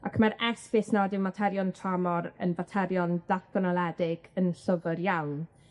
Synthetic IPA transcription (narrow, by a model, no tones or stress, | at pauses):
akʰəmɛɾɛsvɪsnadɪwmatʰɛɾjɔntʰramɔɾə̰nvatʰɛɾjɔnd̥aθb̥ənɔlˠɛdɪɡ̥ənɬəvərjawn